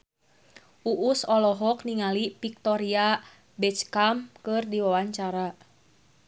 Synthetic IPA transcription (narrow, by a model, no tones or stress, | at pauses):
ʔuʔusɔlɔɦɔk̚niŋalipik̚t̪ɔɾia | bɛt͡ʃkamkɨrdiwawaɲt͡ʃaɾa